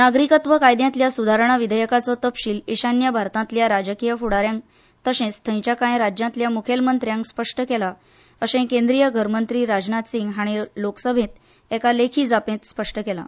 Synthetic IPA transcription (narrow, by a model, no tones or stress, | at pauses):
naɡɾikət̪ʋəkajd̪jãt̪ljasud̪ʱaɾəɳ̃aʋid̪ʱəjəkat͡sɔt̪əpɕiːliɕanjəbʱaɾt̪ãt̪ljaɾad͡ʑəkijəfuɽaɾjãŋk | t̪əɕẽst̪ʰə̃j̃t͡ɕakãjɾad͡ʑjãnt̪ljamukʰelmənt̪ɾjãŋkspəʂʈəkela | əsẽkẽnd̪ɾijəɡʱəɾmənt̪ɾiːɾad͡ʑnat̪siŋɡɦaɽ̃iloksəbʱẽt̪ | ɛkalekʰiːd͡zapẽt̪spəʂʈəkela̰